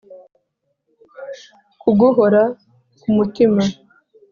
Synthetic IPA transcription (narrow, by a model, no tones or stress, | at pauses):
kuɡuɦoɾa | kumutima